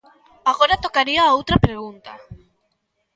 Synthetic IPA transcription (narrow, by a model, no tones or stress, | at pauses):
aɣoɾat̪okaɾiaowt̪ɾapɾeɣunt̪a̰